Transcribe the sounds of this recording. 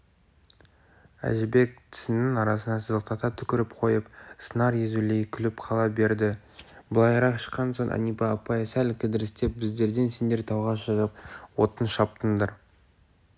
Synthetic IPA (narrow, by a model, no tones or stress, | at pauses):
æ̰ʒɪbe̞k̚t̪ʰɪ̥sɪnɪŋɑɾɑsənɑsəzəqt̪ʰɑt̪ɑt̪ʰʏkʲɪɾɪpqʰo̞jəpsənɑɾjezulejkʲʰʏlɪpqʰɑlˠɑbe̞ɾd̪ɪ | bəlˠɑjɾɑqʃə̥qːɑnso̞ɴʔɑ̰nijpɑːpɑjsælʲkʲʰɪd̪ɪɾɪst̪e̞p̚bɪzd̪e̞ɾd̪e̞nse̞nd̪e̞ɾt̪ʰɑwʁɑsʒɑzəp̚wo̞t̪ənʃɑp̚t̪ənd̪əɾ